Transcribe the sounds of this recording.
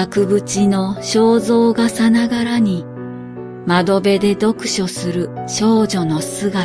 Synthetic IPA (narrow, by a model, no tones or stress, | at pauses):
akɯ̟bɯ̟t͡ɕino̞ɕo̞ːzo̞ːɡasanaɡaɾaɲ̟i | mad̪o̞be̞d̪e̞d̪o̞kɯ̟̥ɕo̞sɨɾɯ̟ɕo̞ːʑo̞no̞sɨɡa